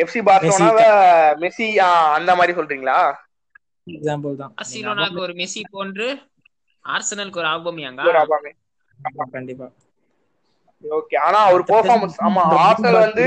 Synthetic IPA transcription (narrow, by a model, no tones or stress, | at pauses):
ɛfsibaːɾsʋɐnaːʋɐmɛsiaɐnd̪ɐmaːd̪ɾisɔlːɾiːŋɡɐɭaː | ɛɡsaːmpɐlt̪ãːa̰siloːnaːkɯɔɾɯmɛsipoːnɾɯ | a̰ːɾsɐnɐlkːɔɾɯaːʋɪbɐmɪjaːŋɡɐɔɾaːbaːme | akɐɳɖɪpːaː | oːkeːaːnaːɐʋɐɾɯpɐɾfaːɾmɐnsaːmːaːaːɾsɐlʋɐnd̪ɯ